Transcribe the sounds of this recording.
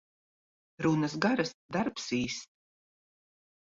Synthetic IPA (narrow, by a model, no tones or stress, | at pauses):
ɾunɐsɡaɾasd̪aɾpsiːst̪